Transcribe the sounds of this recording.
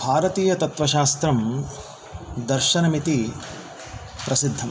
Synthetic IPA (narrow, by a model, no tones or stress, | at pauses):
bʱaːɾɐt̪iːjɐt̪ɐt̪ʋɐʃaːst̪ɾɐm | d̪ɐɾʃɐnɐmit̪i | pɾɐsid̪ʱːɐm